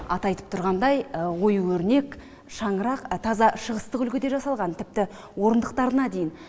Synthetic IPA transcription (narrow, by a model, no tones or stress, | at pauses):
ɑ̰t̪ɑjt̪ə̥p̚t̪ʰʊɾʁɑnd̪ɑjwo̞juwɵɾne̞k | ʃɑɴəɾɑqt̪ʰɑzɑʃəʁəst̪əqʏlkʲɪd̪e̞ʒɑsɑlˠʁɑnt̪ʰɪp̚t̪ɪ | wo̞ɾənd̪əq̚t̪ɑɾənɑd̪e̞jɪn